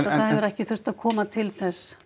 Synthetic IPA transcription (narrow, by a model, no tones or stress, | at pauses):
aθaðhɛvʏɾɛhcɪθʏrst̪aðkʰɔːmat̪ʰɪlθɛsː